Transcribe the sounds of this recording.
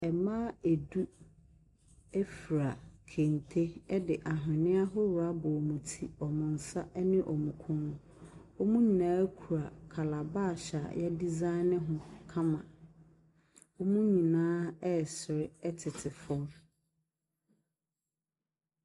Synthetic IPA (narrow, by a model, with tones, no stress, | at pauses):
ɛ˨mãː˦e˨du˦ | ɛ˦fi˨ɾa˨kʰẽ˨n˨tʰe˦ɛ˦dɪ˨ʔa˨ɦɪ̃˨nɪ̃˦a˦ɦʊ˦wʊ˨a˦bʊ˨ɔ˨mũ˨tʰi˨ɔ˨mʊ̃˨n̩˨sa˦ʔɛ˦nɪ̃˦ʔɔ˨mũ˨kʰʊ̃˦nʊ̃˦ | ɔ˦mũ˦ɲĩ˨nãː˦kʰu˨ɾa˨kʰa˨la˨baː˦˨ɕa˨jɛ˦di˦zã˦ɪ˦nɪ̃˦ɦʊ̃˦kʰã˦mã˨ | ɔ˦mũ˦ɲĩ˨nãː˦ɛ˦˨sɪ˨ɾɪ˦ɛ˦tʰɪ˨tʰɪ˨fɔ˦ɾ